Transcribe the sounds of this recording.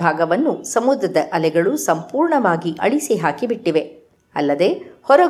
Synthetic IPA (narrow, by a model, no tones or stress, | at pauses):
aːɡɐʋɐnːusɐmud̪ɾɐd̪ɐʔɐlɛɡɐɭusɐmpuːɾɳɐʋaːɡiʔɐɭisiɦaːkibiʈːiʋe̞ | ɐlːɐd̪e̞hɔɾɐ